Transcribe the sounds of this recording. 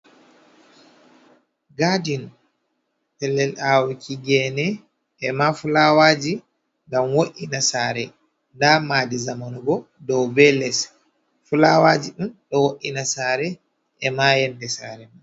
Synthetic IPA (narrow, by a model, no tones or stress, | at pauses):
ɡadin | tɛlːɛlawikʰiɡɛnɛ | ʔɛmafulawaːd͡ʒi | ŋɡamwoʔinasaːɾɛ | ndamaːdizamanɔɡɔ | dɔwbɛlɛs | fulawad͡ʒiɗumɗɔwoʔinasaːɾɛ | ʔɛmajɛndɛsaɾɛma